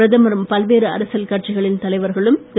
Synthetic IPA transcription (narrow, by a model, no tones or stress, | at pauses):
ɾɐðɐmɐɾɯmpɐlʋeːɾɯɐ̰ɾɐsɐlkɐʈ̚t͡ʃɪɣɐɭɪnt̪ɐlɐɪʋɐɾɣɐɭɯmt̪